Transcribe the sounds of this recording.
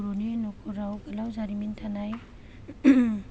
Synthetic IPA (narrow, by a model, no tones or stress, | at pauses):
ɾoninɔkʰuɾawɡalawzaɾimintʰanaj